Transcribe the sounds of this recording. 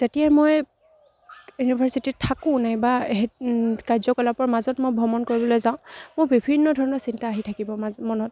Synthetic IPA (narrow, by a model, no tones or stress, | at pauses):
tetijajmoj | junibʱaɹsititʰːakʊ̃najbaɦekaɹzɔkɔlapɔɹmazɔtmojbʱɔmɔnkoɹibɔlojzãʊ̃mʊbibʱinːɔdʱɔɹɔnɔɹsintaːɦitʰakibɔamɔnɔt̚